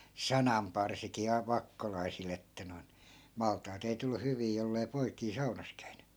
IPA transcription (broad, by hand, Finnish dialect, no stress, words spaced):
sɑnɑmpɑrsikiː ɑ ʋɑkːolɑi̯sil etːæ noi̯in mɑltˑɑːt ei tulːu hyʋiː jolːei̯ poikiː sɑunɑs kæyn̥ẙ